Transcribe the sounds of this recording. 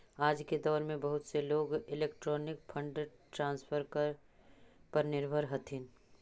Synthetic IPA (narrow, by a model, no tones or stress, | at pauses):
aːd͡ʒked̪ɔːɾmẽbɐɦʊt̪seloːɡɪleːkʈɾɔːnɪk̚pʰɐ̃ɳɖə | ʈɾãːnspʰəɾkə | pɐɾnɪɾbʱəɾɦɐt̪ʰɪn